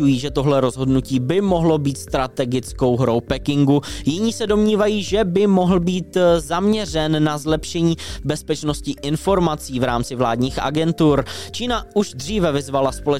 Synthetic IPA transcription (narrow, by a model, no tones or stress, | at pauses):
ujiːʒɛt̪oɦlɛɾo̞zɦo̞dnuciːbɪmo̞ɦlo̞biːt̪st̪ɾat̪ɛɡɪt͡sko̞wɦɾowpɛkɪŋɡujɪɲiːsɛdo̞mɲiːvajiːʒɛbɪmo̞ɦl̩biːt̪zamɲɛr̝ɛnːazlɛpʃɛɲiːbɛspɛt͡ʃno̞scɪʔɪnfo̞ɾmat͡siːvɾaːmt͡sɪvlaːdɲiːxʔa̰ɡɛnt̪uɾt͡ʃiːnauʒd̪r̝iːvɛvɪzvalaspo̞lɛ